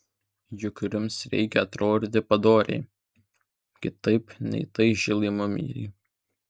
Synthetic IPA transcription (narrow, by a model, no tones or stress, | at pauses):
jʊkʲɾʲʊmsɾʲɛ̰ɪkʲɛɐt̪ɾoːd̪ʲt̪ʲɪpɐd̪oːɾʲɛ̰ɪ | kʲɪt̪ɐɪpnʲɛ̰ɪt̪ɐɪʒʲɪlˠʲimʊmʲḭːɾʲɛ̰ɪ